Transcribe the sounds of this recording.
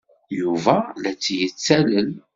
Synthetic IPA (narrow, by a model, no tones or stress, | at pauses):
juvælæt͡sːjət͡sːæləl